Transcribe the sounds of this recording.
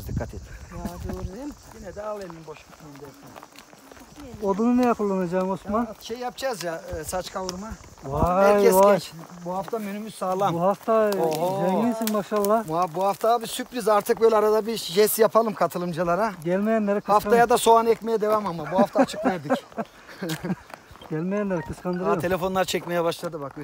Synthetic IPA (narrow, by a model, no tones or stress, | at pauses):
zd̪ikʰːat̪ʰed̪iad̪oɾjinjinɛd̪ɛalˠemʲinbo̞ʃkḁt̪aɯmd̪iɾɛk̚ʲt̪ʰen | od̪ununejɛkulˠːanad͡ʒaːmosmanʃejjap̚d͡ʒazjasat͡ʃkʰavuɾma | ahæɾcʰɛzt͡ʃbuhaft̪ʰamønymyz̥saːlˠamuhaft̪ʰaoɦzɛɲlʲisinmaʃalˠːabuhabuhaft̪ʰabisypɾizaɾt̪ʰɯk̚bølʲɛaɾad̪abiʃɛsjapʰalˠɯmkʰat̪ʰɯlˠɯmd͡ʒalˠaɾaɟælʲmejænlːɛɾkʰhaft̪ajad̪aso̞anɛcʲmejɛd̪e̞vamamabuɦaft̪ʰat͡ʃʰɯ̥kmjabi | ɟælʲmejænlɛɾkʰɯskʰand̪ɯɾae̞lʲe̞fo̞nlˠaɾt͡ʃʰɛcʲmejɛbaʃlˠad̪ɯbak